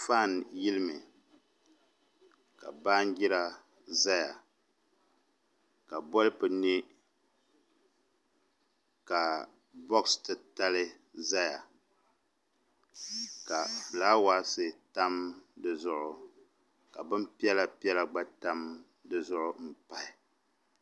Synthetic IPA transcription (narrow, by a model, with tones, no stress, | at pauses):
faː˦˨n˨ji˦lɨ˦mɨ˨ | ka˨baː˦n˦ɡɪ˦ɾa˦ | za˦ja˨ | ka˨bɔ˦lɨ˦pɨ˨ni˦ | ka˨ | bɔ˦kstɨ˦ta˦lɨ˦ | za˦ja˨ | ka˨flaː˦wa˦sɨ˨ta˦mdɨ˦zʊ˦ʔʊ˨ | ka˨bɨ˦mpi˦ɛ˦la˦pi˦ɛ˦la˨ɡ͡ba˦ta˦m | dɨ˦zʊ˦ʔʊ˦m̩˨pa˦ɪ˨